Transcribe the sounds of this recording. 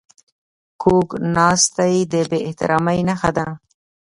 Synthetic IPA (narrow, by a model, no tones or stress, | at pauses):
kʰoɡnɑst̪ajd̪əbeɪht̪ɪ̰ɾɑmajnaxad̪a